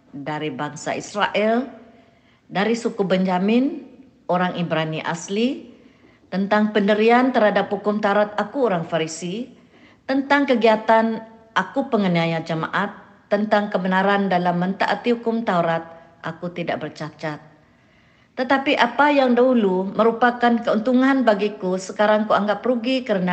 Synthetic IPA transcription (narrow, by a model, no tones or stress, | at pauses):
daɾibaŋsa̰ʔisɾaʔɛl | daɾisukubɛɲd͡ʒamɪn | oɾaŋʔibɾaniʔa̰sli | t̪ənt̪aŋpəndəɾiant̪ərhadaphukʊmt̪auɾat̪̚akuoɾaŋfaɾisi | t̪ənt̪aŋkəɡiat̪anʔakupəŋəniajad͡ʒəma̰ʔat̪ː | ənt̪aŋkəbənaɾandalamːənt̪a̰ʔat̪ihukʊmt̪auɾat̪̚ | ʔakut̪idaʔbərt͡ʃat͡ʃat̪̚ː | ət̪apiʔapajaŋdaɦuluməɾupakankəunt̪uŋanbaɡikusəkaɾaŋkuaŋɡapruɡikəɾəna